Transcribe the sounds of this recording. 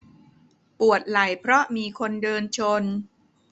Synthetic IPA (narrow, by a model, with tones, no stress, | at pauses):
pu˨˩ət̪̚la˨˩˦jpʰɾɔ˦˥miː˧kʰo˧ndɤː˧nt͡ɕʰo˧n